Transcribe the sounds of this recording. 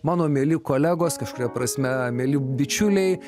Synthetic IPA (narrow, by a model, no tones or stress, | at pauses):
mɑːnoːmʲeːlʲɪkoːlʲæɡoːskɐʃkʊɾʲɛpɾɐsʲmʲɛmʲeːlʲɪd̪ʲɪt͡ʃʲʊlʲɛɪ